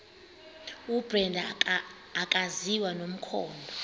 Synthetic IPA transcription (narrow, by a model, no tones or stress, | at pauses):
ub̥rɛndʱ | akʼaziwanom̩kʰɔːndʱɔ